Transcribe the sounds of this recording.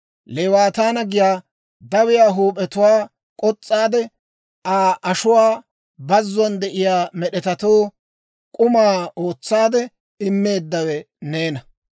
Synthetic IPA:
leːwaːt̪aːnɐɡɪjaː | d̪ɐwɪjaːɦuːpʼɛt̪ʊwaː | kʼɔt͡sʼːaːd̪ɛ | ʔaːʔɐʃʊwaː | bɐzːɔnd̪ɛʔɪjaːmɛɗɛt̪ɐt̪oː | kʼʊmaːo̞ːt͡sːaːd̪ɛ | ɪmːe̞ːd̪ːɐwɛ | ne̞ːnɐ

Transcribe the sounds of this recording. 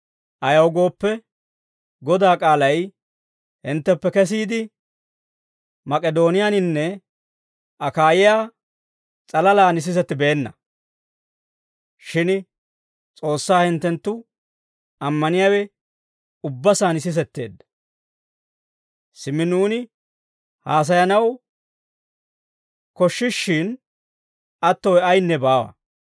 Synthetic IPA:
ʔɐjɐwɡo̞ːpːɛ | ɡɔd̪aːkʼaːlɐj | hɪnt̪ːɛpːɛkɛs̬iːd̪ɪ | mɐkʼɛd̪o̞ːnɪjanɪnːɛ | ʔɐkaːjɪjaː | t͡sʼɐlɐlaːnɪs̬ɪs̬ɛt̪ːɪbe̞ːnːɐ̰ | ʃɪn | t͡sʼo̞ːsːaːhɪnt̪ːɛnt̪ːʊ | ɐmːɐnɪjaːwɛ | ʊbːɐsaːnɪs̬ɪs̬ɛt̪ːe̞̰ːd̪ːɐ̥ | sɪmːɪnuːnɪ | haːs̬ɐjɐnɐw | kɔʃːɪʃːɪn | ʔɐt̪ːɔwɐjnːɛbaːwɐ̰

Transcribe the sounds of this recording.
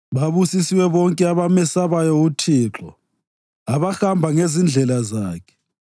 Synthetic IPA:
βaβusisiwɛβɔŋkʼɛaβamɛsaβajɔutʰiːǁɔ̰ | aβaxambʱaŋezind͡ɮʱɛlazaːkʰɛ̥

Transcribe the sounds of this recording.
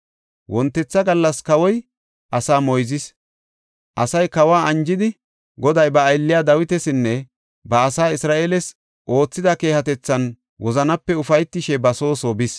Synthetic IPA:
wʔɔnt̪ːɛt͡sːɐɡɐlːɐskɐwɔj | ʔɐsaːmɔjzɪs | ʔɐsɐjkɐwaːʔɐnd͡ʒɪd̪ɪ | ɡɔd̪ɐjbɐːjlːɪjaːd̪ɐwɪt̪ɛsɪnːɛ | bɐːsaːɪsɾaːʔeːlɛs | ʔo̞ːt͡sːɪd̪ɐke̞ːhɐt̪ɛt͡sːɐn | wɔzɐnɐpːɛʊfɐjt̪ːɪʃɛbɐso̞ːsobɪs

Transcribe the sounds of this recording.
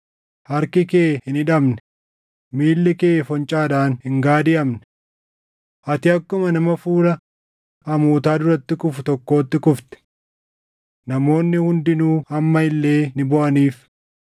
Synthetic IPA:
hɐɾkɪkeːhɪnɪᶑɐmnɛ̥ | miːlːɛkeːfɔnt͡ʃʼaːᶑaːnhɪŋɡaːd̪ɪʔɐmnɛ̥ | ʔɐt̪ɪɐkːʊmɐnɐmɐfuːɾɐ | hɐmuːt̪aːd̪ʊɾɐt̪ːɪkʊfʊt̪ɔkːo̞ːt̪ːɪkʊft̪ɛ̥ | nɐmo̞ːnːɪhʊnd̪ɪnuːhɐmːɐɪlːe̞ːnɪbɔʔɐniːf

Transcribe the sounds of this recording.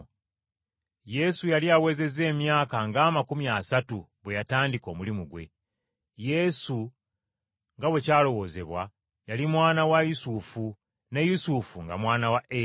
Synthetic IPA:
je̞sujaliawe̞ːze̞ze̞ːmjaːkaŋɡaːmakumjasatu | βwe̞jataːndiko̞ːmulimuɡwe̞̰ | je̞su | ŋɡawe̞caːlo̞wo̞ːze̞βwa | jalimwaːnawajusufu | ne̞jusufuŋɡa̰mwaːnawaʔe

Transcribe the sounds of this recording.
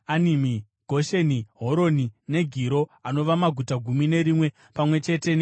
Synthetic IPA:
animi | ɡʱo̞ʃe̞niɦo̞ɾo̞nine̞ɡʱiɾo̞ano̞ʋamaɡʱutaɡʱumine̞ɾimwe̞ | pamwe̞t͡ʃe̞te̞n

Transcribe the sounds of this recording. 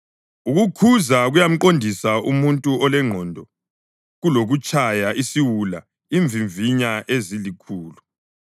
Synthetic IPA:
uɣukʰuzaɣujam̩ǃondʱisaʔumuntʼuɔlɛŋ͡ǃʱɔndʱɔ | ɣuloɣut͡ʃʼajaʔisiwula̰ | iɱvʱiɱviɲaʔezilikʰuːlu

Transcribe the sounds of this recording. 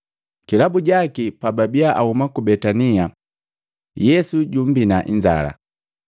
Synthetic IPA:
kilabuɟakipababiaʔahumakubɛtania | jɛsuɟum̩binaʔḭɲd͡ʒa̰la̰

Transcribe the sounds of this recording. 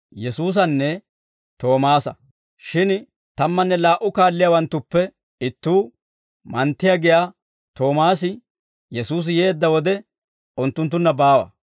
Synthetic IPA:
jɛsuːs̬ɐnːɛ | t̪o̞ːmaːsɐ | ʃɪn | t̪ɐmːɐnːɛlaːʔʊkaːlːɪjaːwɐnt̪ːʊpːɛ | ɪt̪ːuː | mɐnt̪ːɪjaːɡɪjaː | t̪o̞ːmaːsɪ | jɛsuːs̬ɪje̞ːd̪ːɐwɔd̪ɛ | ʊnt̪ːʊnt̪̬ːʊnːɐbaːwɐ̰

